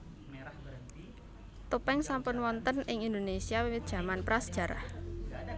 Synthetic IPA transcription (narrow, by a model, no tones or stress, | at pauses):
t̪upɛŋsampʊnwɔnt̪ənɪŋind̪onesiawiwɪt̪̚dʒ̥ä̤manpɾasə̥d̥ʒ̥ä̤ɾa̰h